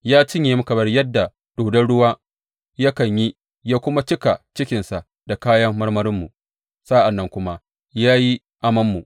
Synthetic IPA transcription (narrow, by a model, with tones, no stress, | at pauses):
jaː˦t͡ʃɪ˦ɲjeː˨mʊ˦kɐ˨bɐ˦rjɐ˦dːa˨ | d̥oː˨dɐ˦nɽʊ˦waː˦ | jɐ˦kɐ˨ɲji˦ | jaː˦kʷʊ˦ma˦t͡ʃɪ˦ka˨t͡ʃɪ˦kʲɪ˨nsa˨ | d̥a˨kaː˦jɐ˦mːɐ˦rmɐ˦ɾɪ˦mːu˨ | sa˦ʔa˨nːɐ˦ŋkʷʊ˦ma˦ | jaː˦ji˦ | ʔa˦mɐ˦mːu˨ʔ